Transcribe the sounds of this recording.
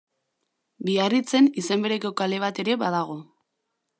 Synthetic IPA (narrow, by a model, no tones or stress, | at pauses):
biarit͡se̞nise̞mbe̞ɾeko̞kale̞β̞at̪e̞ɾe̞βaðaɣ̞o̞